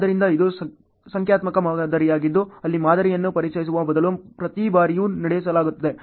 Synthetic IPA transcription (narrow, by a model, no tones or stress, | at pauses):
d̪ɐɾind̪ɐid̪us | sɐŋkʰjaːt̪mɐkɐmaːd̪ɐɾijaːɡid̪ːuɐlːimaːd̪ɐɾijɐnːupɐɾit͡ʃɐjis̬uʋɐbɐd̪ɐlupɾɐt̪ibaːɾijunɐɽejs̬ɐlaːɡut̪ːɐd̪e̞